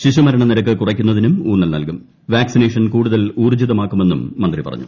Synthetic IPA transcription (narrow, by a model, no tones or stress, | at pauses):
ɕiɕumɐɾɐɳɐniɾɐk̬ːɨkurɐkʲːunːɐðinumuːɳːɐlnɐ̰lkum | ʋaːksine̞ːʂɐnkuːɽuðɐluːrd͡ʑiðɐmaːkːume̞nːumːɐnd̪ripɐ̰rɐ̰ɲːṵ